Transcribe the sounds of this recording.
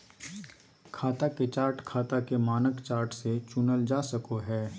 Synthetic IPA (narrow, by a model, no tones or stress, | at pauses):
kʰaːt̪aket͡ʃaːɾʈkʰaːt̪akemaːnəkt͡ʃaːɾʈset͡ʃʊnəld͡ʒaːsɐkoɦɛː